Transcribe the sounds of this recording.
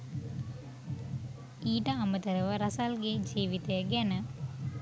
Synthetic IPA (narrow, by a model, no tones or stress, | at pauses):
iːʈɐɐmət̪əɾɐʋəɾɐsalɡed͡ʒiːʋit̪ejəɡɛnə